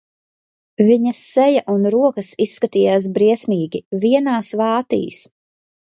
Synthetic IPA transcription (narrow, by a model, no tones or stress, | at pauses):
viɲɐsːɛjaʔunɾuɔkɐsisːkat̪iːjaːs̬bɾiɛsʲmiːɡʲiviɛnaːsvɑːt̪ḭːs